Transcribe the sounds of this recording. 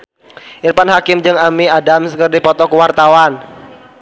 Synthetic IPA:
ʔirpanɦakɪmd͡ʒɨŋamiadamsəkərdipɔt̪ɔkəwart̪awan

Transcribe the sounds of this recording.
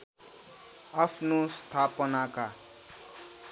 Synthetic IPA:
apʰnost̪ʰapʌnaka

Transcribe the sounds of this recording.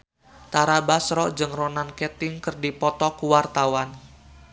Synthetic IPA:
t̪aɾabasɾɔʔd͡ʒəŋrɔnankɛt̪ɪŋkɨrdipɔt̪ɔkuwart̪awan

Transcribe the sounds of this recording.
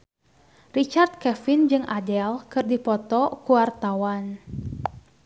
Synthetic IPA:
rit͡ʃart̪̚kɛfind͡ʒɨŋʔadɛlkɨrdipɔt̪ɔkuwart̪awan

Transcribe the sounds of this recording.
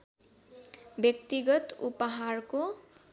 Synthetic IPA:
bjʌk̚t̪iɡʌt̪upʌɦarko

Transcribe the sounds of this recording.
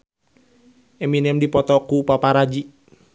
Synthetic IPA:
ɛminɛmdipɔt̪ɔkupapaɾad͡ʒi

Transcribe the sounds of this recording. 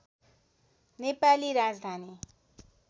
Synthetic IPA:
nepaliɾad͡zd̪ʱani

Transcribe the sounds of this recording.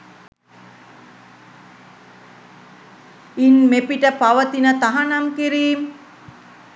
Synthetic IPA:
inmepiʈəpaʋət̪inət̪aɦanaŋkiɾiːm

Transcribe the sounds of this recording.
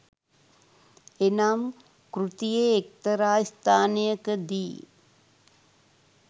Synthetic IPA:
enaːm | kɾut̪ijeːk̚t̪ɐɾaːjst̪ʰaːnejəkəd̪iː

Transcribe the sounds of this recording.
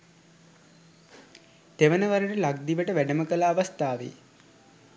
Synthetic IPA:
t̪eʋənəʋaɾəʈəlaɡ̚d̪iʋəʈəʋæɖəməkəlaːʋast̪aːʋḭ

